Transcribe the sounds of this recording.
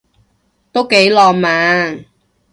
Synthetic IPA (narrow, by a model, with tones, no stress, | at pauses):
t̪o˥wke˨˥jlɔː˧maː˧˥ŋ